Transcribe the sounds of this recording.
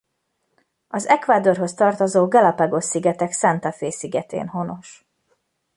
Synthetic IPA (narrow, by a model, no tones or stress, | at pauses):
ɒzɛkʋaːd̪o̞rɦo̞st̪ɒrt̪ozoːɡɛlɒpɛɡo̞sːiɡɛt̪ɛksɛnt̪ɒfeːsiɡɛt̪ḛːnhono̞ʃ